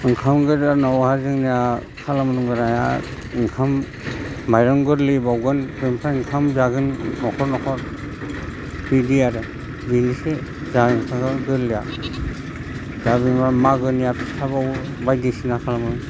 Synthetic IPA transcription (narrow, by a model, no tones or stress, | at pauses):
ɯŋkʰamɡɯɾanɔwhazɯŋnija | kʰalamɯnuŋɡɯɾaja | ŋkʰam | majɾɔŋɡɯɾlibawɡɯnbempʰaiŋkʰamzaɡɯnːɔkʰɔɾnɔkʰɔɾ | bidiaɾe | binisezaɯŋkʰakɯɡɯɾlija̰ | zabibamaɡɯnijatʰsʰabaw | bajdisinakʰalamɯnuŋ